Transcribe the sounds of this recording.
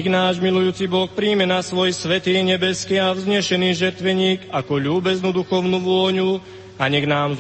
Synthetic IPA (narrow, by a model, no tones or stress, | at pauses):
ɡnaːʒmilujuːt͡sibɔk̚pɾiːmɛnasʋɔjsʋɛt̪iːɲɛbɛskiːawzɲɛʃɛniːʒəɾt̪ʋɛɲiːɡakɔʎuːbɛznud̪uxɔʊnuʋʊɔɲu | aɲɛɡnaːmz